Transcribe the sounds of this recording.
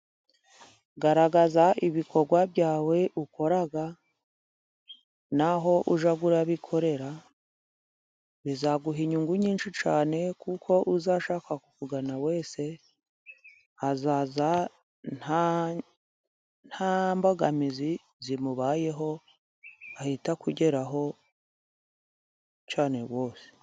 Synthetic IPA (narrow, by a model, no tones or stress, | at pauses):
ɡaɾaɡazaʔiβikʰo̞ɾɡwaβjaːwe̞ʔuko̞ɾaɡa | naɦo̞ʔuʒaɡuɾaβikʰo̞ɾe̞ɾa | βizaɡuɦiɲuŋɡuɲiːnʃit͡ʃaːne̞kukʰo̞ʔuzaʃaːkakukuɡanawe̞ːse̞ | azaːza | nha | n̥hambaɡamizi | zimuβaːje̞ɦo̞ | ahitakuɟe̞ɾaɦo̞ | t͡ʃaːne̞̰wo̞ːse̥